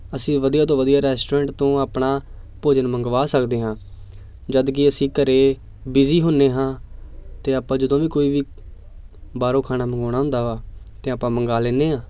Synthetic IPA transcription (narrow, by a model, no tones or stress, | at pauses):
əsĩːʋəd̪ijaːt̪õːʋəd̪ijaːɾɛːsʈoɾɛ̃ːɳʈt̪õːaːpnaː | poːd͡ʒənməŋɡʋaːsəkd̪eːɦãː | d͡ʒəd̪kɪəsĩːkəɾeː | bɪziːɦʊnːeːɦãːt̪eːaːpːãːd͡ʒəd̪õːʋiːkoːiːʋiː | baːɾõːkʰaːnaːməŋɡaːɽ̃aːɦʊ̃nd̪aːʋaːt̪eːaːpãːməŋɡaːleːneːãː